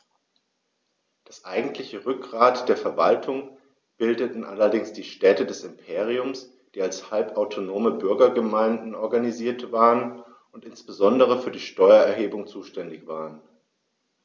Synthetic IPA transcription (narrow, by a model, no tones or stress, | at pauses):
d̥asʔaɪɡŋ̩tʰlɪçəʁʏk̚ɡʁaːtd̥eːɐfɛɐvaltʰʊŋ | b̥ɪldətn̩ʔalɐdɪŋsd̥iːʃtɛːtədɛsɪmpʰeːʁiʊms | d̥iːalshalpaʊtʰonoːməbʏɐɡɐɡəmaɪndn̩ɔɐɡaniziːɐtv̥aːʁən | ʊntʔɪnsb̥əzɔndəʁ̞əfyːɐdiːʃtɔʏɐɛɐɦeːbʊŋt͡suːʃtɛndɪçv̥aːʁən